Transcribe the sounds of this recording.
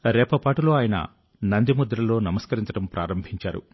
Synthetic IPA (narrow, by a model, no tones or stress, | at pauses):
ɾɛːpɐpaːʈulo̞ːaːjɐnɐ̰ | nɐnd̪imud̪ɾɐlo̞ːnɐmɐskɐɾiɲt͡ʃɐʈɐmpɾʔa̰ːɾɐmbʱiɲt͡ʃa̰ːɾṵ